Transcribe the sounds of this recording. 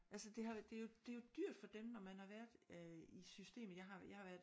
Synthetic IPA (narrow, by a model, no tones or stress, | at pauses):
ʔælsəd̥e̝ɦɑ̈d̥e̝jo̝d̥e̝jo̝d̥yɐ̰d̥fɒ̽d̥emnɒmænhɑ̈ʋæɐ̰d̥ˠisysd̥e̝̰ːmð̩ˠjɑ̈ɦɑ̈jɑ̈ɪhɑ̈ʋæɐ̰d̥